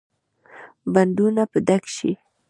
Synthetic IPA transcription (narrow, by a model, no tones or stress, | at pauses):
band̪unapəd̪akʃḭ